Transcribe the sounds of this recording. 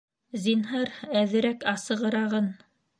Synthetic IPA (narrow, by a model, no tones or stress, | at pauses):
zinɦɑɾæðɘ̆ɾækɑsɤ̆ʁɤ̆ɾɑʁɤn